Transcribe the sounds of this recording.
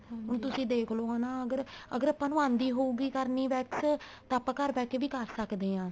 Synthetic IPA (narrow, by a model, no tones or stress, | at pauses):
ɦʊnt̪ʊsĩːd̪eːkʰloːɦanãːəɡəɾə̰ɡəɾəpãːnʊʋãːnd̪iːɦoːuːɡiːkəɾniːʋɛːkst̪ãːpːãːkəɾbɛːkeʋiːkəɾsəkd̪eːãː